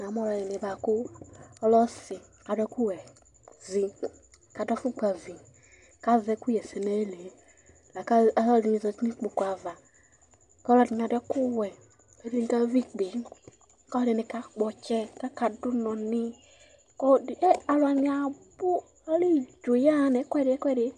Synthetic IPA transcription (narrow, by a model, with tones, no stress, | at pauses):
na˨m˦ɔ˦lɔ˧jɛ˨ni˨˧˨ba˨kʊ˦ɔ˦lɔ˦si˨ka˨dɛ˧˦ku˦wɛ˨ | zi˧ | ka˨dɔ˦fu˦k͡pa˨vi˨ | ka˦vɛ˨˦ku˦jɛ˨sɛ˨nɛ˦le˨˦ | la˨ka˦˨˦lɔ˦di˧˨i˧zɔ˧ti˦ni˦k͡po˨kʷa˨va˨ | ka˦lɔ˧di˨n˨a˨˧dɛ˧˦ku˦wɛ˨ | ɛ˨˦di˨˧ni˧ka˦vi˦k͡pe˨˦ | ka˦ɔ˦dɛ˧˨ni˨˧ka˦k͡pɔ˧t͡ʃɛ˦ka˦ka˧du˦nɔ˨ni˧ | kɔ˦˨ɛ˦a˧lɔ˨a˧˨ni˨˦a˨bu˦ | a˦li˦˨d͡ʒo˨ja˦˨˦nɛ˨˦kwɛ˦˨ɾi˦ɛ˦kʷɛ˦˨ɾi˨˦